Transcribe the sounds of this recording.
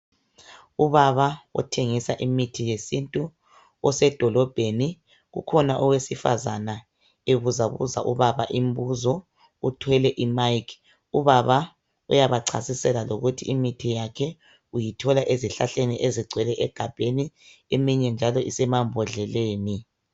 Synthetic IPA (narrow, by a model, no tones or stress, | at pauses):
uβaβaɔ̰tʰeŋisaʔimitʰijesintʼu | ɔsɛd̥ʱɔlɔb̥ʱeni | ɣṵkʰɔnaʔɔwesifa̰zana | eβuzaβṵzaʔuβaβaʔimbuzɔ | utʰwɛlɛʔimaikʰ | uβaβa | ṵjaβaǀʰa̰sisɛlaloɣutʰiimitʰijakʰɛ | ujitʰɔlaʔeziɬa̰ɬeniʔeziɡ͡ǀʱwɛlɛʔɛɡ̥ʱab̥ʱeni | emiɲɛnd͡ʒʱalɔʔisɛmambʱɔɮɛleːni